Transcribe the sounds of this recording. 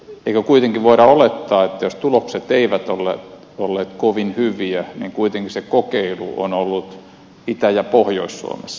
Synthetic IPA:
eikøkuit̪eŋkiʋʋoiɾɑolet̪ːɑːet̪ːæjost̪ulokset̪eiʋæt̪olːḛːt̪ | olːeːt̪koʋinhyʋiæniːŋkuit̪eŋkisekokeilṵʔo̰nolːut̪ | it̪æjɑpohjo̰issṵo̰mesːɑ̥

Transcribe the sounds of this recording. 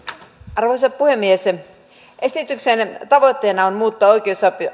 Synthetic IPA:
ɑrʋoisɑp̚puhemːies | ʔesit̪yksent̪ɑʋot̪ʲːeːnɑonmuːt̪ːɑoikˑeosɑp

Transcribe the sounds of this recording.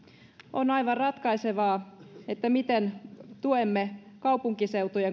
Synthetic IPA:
onɑiʋɑrrɑt̪kɑiseʋɑːet̪ːæmit̪ent̪uemːekɑupuŋkiseut̪ojeŋ

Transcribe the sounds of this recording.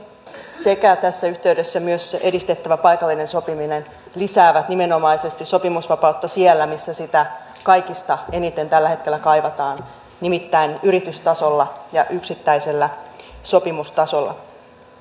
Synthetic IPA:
se̞kæt̪æsːæyht̪e̞yɥde̞sːæmyøsʔe̞dist̪e̞t̪ːæʋæpɑjkɑlːine̞nso̞piminen | lisæːʋæt̪nime̞no̞mɑise̞st̪isso̞pimusʋɑpɑut̪ːɑsielːæmisːæsit̪æ | kɑjkist̪ɑe̞nit̪e̞nt̪ælːæhe̞t̪k̟e̞lːækɑjʋɑt̪ɑːn | nimit̪ːæinyɾit̪yst̪ɑso̞lːɑjɑʔyksit̪ːæise̞lːæso̞pimust̪ɑso̞lːɑ̰

